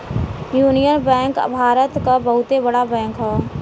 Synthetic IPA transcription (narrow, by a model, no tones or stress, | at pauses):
juːnijənbɛ̃ːŋkbʱaːɾət̪kabəɦʊt̪ebəɽabɛ̃ːŋkɦɛː